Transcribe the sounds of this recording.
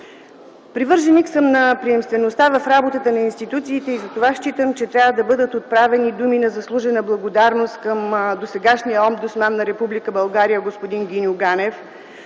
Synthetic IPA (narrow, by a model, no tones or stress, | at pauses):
pɾivɤɾʒɛniksəmnɐpɾiɛmst̪vɛnost̪avɐfɾabot̪ət̪ənɐinst̪it̪ut̪siːt̪ɛizɐt̪ovaʃt͡ʃit̪əmt͡ʃɛt̪ɾʲjavəd̪ɐbɤd̪ət̪ot̪̚pɾavɛnid̪uminɐzɐslˠuʒɛnəblˠɐɡod̪aɾnost̪kəmd̪osɛɡaʃnijəɔmd̪osmanːɐɾɛpublikəbɐlˠɡaɾijəɡospod̪inɡʲinʲʊɡanɛf